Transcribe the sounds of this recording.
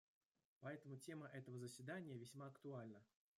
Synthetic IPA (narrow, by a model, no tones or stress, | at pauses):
pɐɛt̪əmʊtʲe̞məʔɛt̪əvəzəsʲvʲɪd̪anʲɪjəvʲɪsʲmaɐkt̪ʊalʲnə